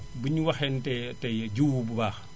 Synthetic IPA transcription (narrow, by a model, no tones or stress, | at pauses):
bəɲuwɐxɛntɛtɛɟuːwububaːx